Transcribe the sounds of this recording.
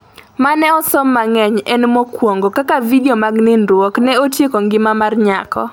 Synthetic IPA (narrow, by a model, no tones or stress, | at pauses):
manɛɔsɔmːaŋɛɲɛnmokwoŋɡokakavidiomaɡnɪndwɔknɛotjekɔŋɡɪmamarɲakɔ̰